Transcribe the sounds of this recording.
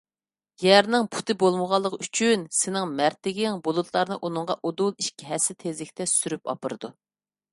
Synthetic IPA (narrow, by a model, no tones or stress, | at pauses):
jæɾnɪŋpʰu̥t̪ʰɨbolˠməʁɑlˠːəqyt͡ʃʰynsɪnɪŋmæɾt̪ɪɡʲɪŋbolˠut̪ʰlˠɑɾnɨʔunɨŋʁɑʔod̪ulˠiʃkʲiɦɛsɪt̪ʰezlɪkʲt̪ʰɛsyɾypɑ̰pɨɾɨd̪u